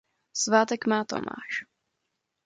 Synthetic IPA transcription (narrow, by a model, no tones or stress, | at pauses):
svaːt̪ɛkmaːt̪o̰mʔa̰ːʃ